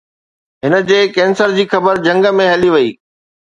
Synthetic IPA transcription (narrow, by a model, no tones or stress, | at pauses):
ɦɪnə̆d͡ʑeːkɛ̃ːnsəɾd͡ʑiːxɐbəɾd͡ʑɐ̃ŋɡəmẽɦɐliʋɐḭː